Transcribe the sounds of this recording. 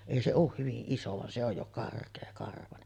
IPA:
eˑi se oˑuh hyʋiʔ ʔiso ʋɑn se oj jo kɑrkˑeːkɑrʋɑnen

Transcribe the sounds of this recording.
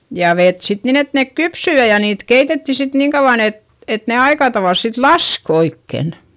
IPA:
jɑ ʋet sit nin et nek kypsy jɑ jɑ niːt keitetːi sit niːŋ kɑuʋ̆ɑn et et ne ɑikɑtɑʋɑˑls sit lɑsk oikːen

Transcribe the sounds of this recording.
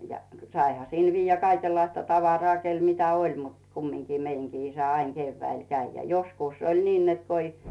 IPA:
jɑ sɑihɑ siˑl ʋijːæ kɑikelːɑistɑ tɑʋɑrŏɑˑ kel mitæ olʲ mut kumːiŋki meiŋɡ̊iː isæ ɑiŋ ɡ̊eːʋːæil kæi jɑ joskuˑs olʲ niːn net ko i

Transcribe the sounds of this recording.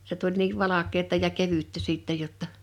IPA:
se tulʲ niːʋ ʋɑlɑkˑeːtɑ jɑ keʋytːæ siˑtːɛj jotːɑ

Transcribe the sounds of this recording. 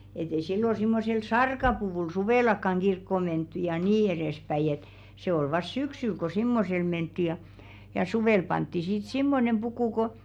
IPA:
et ei silːo simːosel sɑrkɑpuʋuˑl suʋeˑlɑkːɑŋ ɡ̊irkːo mentːy jɑ niː erespæij̆ et se ol ʋɑs syksyl ko simːosel mentːi jɑ jɑ suʋeˑl pɑntːi sit simːonem pukuˑ ko

